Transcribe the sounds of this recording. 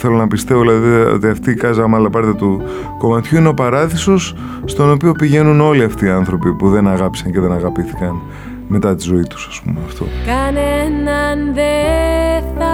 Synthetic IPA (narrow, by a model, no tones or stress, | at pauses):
θe̞lo̞nɐpist̪e̞voilɐðio̰t̪iɐft̪iːkɐzɐmɐlɐpɐɾtðjɐt̪u | ko̞mɐt̪çuineo̞pɐɾɐðiso̞s | st̪o̞no̞pio̞piʝe̞nuno̞liɐft̪iːɐnθɾo̞pipuðe̞nɐɣɐpi̥sɐnce̞ðe̞nɐɣɐpiθi̥kɐn | me̞t̪ɐt̪izo̞it̪u̥sɐ̥spṵmeɐft̪o̞̰kɐnenɐnðe | θɐ